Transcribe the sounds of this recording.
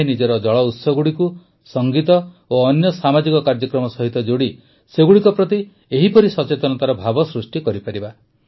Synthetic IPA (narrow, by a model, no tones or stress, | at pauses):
nid͡ʒɔɾɔd͡ʒɔɭɔut̪sɔɡuɽiku | sɔŋɡit̪ɔ | oːnjɔsamad͡ʒikɔkaɾd͡ʒɔkɾɔmɔsɔɦit̪ɔd͡ʒoɽi | seɡuɽikɔpɾɔt̪i | eɦipɔɾisɔt͡ʃet̪ɔnɔt̪aɾɔbʱabɔsɾusʈikɔɾipaɾiba